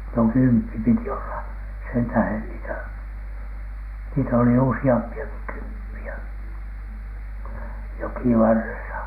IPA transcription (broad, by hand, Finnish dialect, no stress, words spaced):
no kympːi piti olːɑ sentæhen niːtæ niːtæ oli usiɑmpiɑki kympːiæ jokiʋɑrːesɑ